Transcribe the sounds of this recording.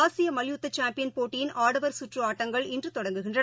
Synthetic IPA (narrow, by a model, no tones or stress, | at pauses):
aːsɪjɐmɐlɪjut̪ːɐt͡ʃaːmpɪjɐnpoːʈːɪjɪnʔaːɽɐʋɐɾsʊʈrɯaːʈːɐŋɡɐɭɪndrɯt̪ɔɽɐŋɡɯɣɪndrɐ